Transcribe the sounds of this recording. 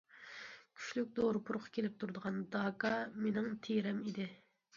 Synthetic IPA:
kʲʰy̥ʃlyk̚ʲd̪oɾʊpʰuɾʊqʰɑ̥kʲʰelɪp̚t̪ʰuɾd̪əʁɑnd̪ɑːkʰɑmenɪŋt̪ʰeɾɛmid̪ɪ

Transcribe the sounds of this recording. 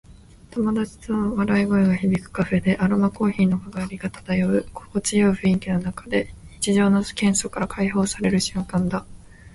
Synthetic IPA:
t̪omad̪at͡ɕi̥t̪ɨβaɾaiɡo̞eɡaçibʲikɯ̟̥kaɸe̞d̪e̞ʔaɾomako̞ːçiːno̞kaɡaːɾʲiɡat̪ḁt̪ajoɯ̟ko̥kot͡sɨjoɯɸɯ̟iŋkʲino̞nakḁd̪e̞ɲit͡ɕiʑo̞ːno̥kẽ̞ɰ̃so̞kaɾakʰaiɦo̞ːsaɾe̞ɾɯ̟ɕɨ̟̃ŋkãnd̪a

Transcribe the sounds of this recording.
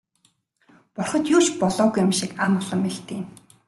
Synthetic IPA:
pɔrχɞ̆t̪juːt͡ɕpɔɮɔːɣujamʃikamʊɮə̆mːeɮt̪eːm

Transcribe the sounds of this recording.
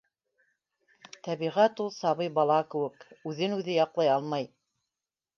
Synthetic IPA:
t̪æβiʁæt̪ulˠsɑβɤjbɑlˠɑkɘ̆wɘkʉðɘnʉðɘjɑqlˠɑjɑlˠmɑj

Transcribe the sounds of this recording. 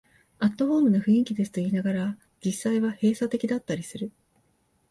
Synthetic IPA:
at̪ːo̞ho̞ːmɯ̟noɸɯ̟ĩŋkʲid̪e̞sɨ̥t̪o̞iːnaɡaɾa | d͡ʑisːaiβahe̞ːsat̪e̞kʲid̪at̪ːaɾʲisɨɾɯ̟

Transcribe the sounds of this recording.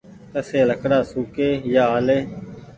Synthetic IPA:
t̪əseːləkɽaːsuːkeːjaːaːleː

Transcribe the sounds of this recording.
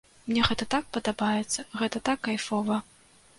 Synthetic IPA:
mnʲɛɣɛt̪ɐt̪ak̚pɐd̪abajɛt̪sːɐɣɛt̪ɐt̪akːajfɔvɐ

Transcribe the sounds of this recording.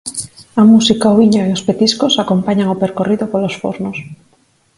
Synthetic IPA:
amusikaoβiɲoiospet̪iskosakompaɲaŋopeɾkoriðopolosfo̰ɾnos

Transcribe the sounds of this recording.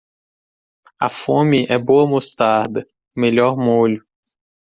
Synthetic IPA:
ɐ̰fõmɪʔɛbowɐmost̪aɾd̪ɐ | meʎɔɾmoʎʊ

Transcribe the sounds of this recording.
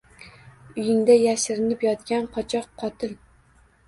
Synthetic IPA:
ʊjɪŋd̪ajæʃɪɾɪnɪpjɒt̪kʲanqʰɒt͡ʃʰɒqʰːɒt̪ʰɪl

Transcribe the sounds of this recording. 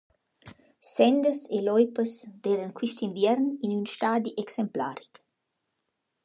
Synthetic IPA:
sɛnd̪əselɔjpəsveːɾənkwiʃt̪invjɛɾninynʃt̪aːd̪iʔeksempla̰ːɾik

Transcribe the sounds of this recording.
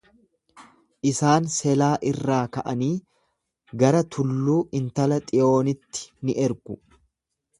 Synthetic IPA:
ʔɪsaːnsɛlaːʔɪrːaːkɐʔɐniː | ɡɐɾɐt̪ʰʊlːuːʔɪnt̪ɐlɐt̪ʼɪjo̞ːnɪt̪ːɪ̥nɪʔɛɾɡʊ

